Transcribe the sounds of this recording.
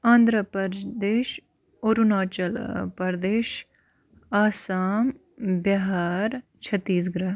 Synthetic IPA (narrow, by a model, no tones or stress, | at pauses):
ãːnd̪ɾəpəɾd͡ʒd̪eːʃ | oɾunaːt͡ʃəlpɐɾd̪eːʃ | aːsaːm | baɦaːɾt͡ʃʰɐt̪ːiːs̬ɡɾaːɦ